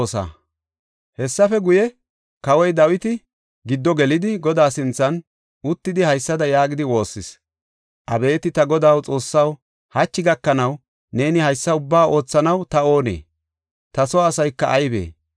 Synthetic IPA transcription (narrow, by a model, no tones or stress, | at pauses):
sa̰ː | hɛsːɐfɛɡʊjɛ | kɐwɔjd̪ɐwɪt̪ɪ | ɡɪd̪ːɔɡɛlɪd̪ɪɡɔd̪aːsɪnt͡sːɐn | ʊt̪ːɪd̪ɪhɐjsːɐd̪ɐjaːɡɪd̪ɪwo̞ːsːɪs | ʔɐbe̞ːt̪ɪt̪ɐɡɔd̪aːwt͡sʼo̞ːsːɐw | hɐt͡ʃːɪɡɐkːɐnɐw | ne̞ːnɪhɐjsːɐʊbːaːʔo̞ːt͡sːɐnɐwt̪ɐo̞ːnḛː | t̪ɐsɔːsɐjkːɐʔːjbḛː